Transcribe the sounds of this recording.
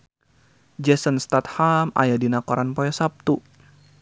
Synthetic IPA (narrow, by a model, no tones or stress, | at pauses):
d͡ʒɛsənst̪at̪̚hama̰jadinakɔɾanpɔjasap̚t̪u